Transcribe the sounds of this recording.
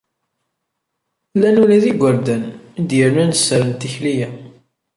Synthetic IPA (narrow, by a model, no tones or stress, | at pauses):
lːænulæðiɡʷəɾd̪ænd̪jəɾnænəsːəɾənt̪içlijæ